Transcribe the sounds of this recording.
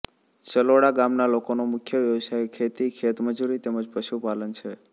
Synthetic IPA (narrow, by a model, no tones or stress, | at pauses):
t͡ʃəloɽaɡamnalokonomʊkʰjəʋjəʋsajekʰet̪ikʰet̪məd͡ʒuɾit̪eməd͡ʒpɾəʃupalənt͡ʃʰe